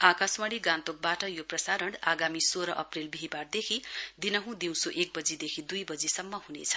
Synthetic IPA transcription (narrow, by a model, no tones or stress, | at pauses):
akasmʌɽiɡãnt̪ok̚baʈʌjoprʌsaɾʌɽaɡamisoɾʌʔʌprelbiɦibard̪ekʰid̪inʌɦũd̪iw̃soʔek̚bʌd͡zid̪ekʰid̪ujbʌd͡zisʌmːʌɦunḛt͡sʰʌ̥